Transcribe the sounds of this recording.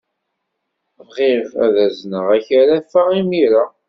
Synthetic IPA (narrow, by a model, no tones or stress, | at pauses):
vʁivæ̰ðæznəʁæçaɾafaʁimiɾa